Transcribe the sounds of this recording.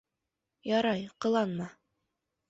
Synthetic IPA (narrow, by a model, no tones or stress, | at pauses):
jɑɾɑjqɤ̆lˠɑnmɑ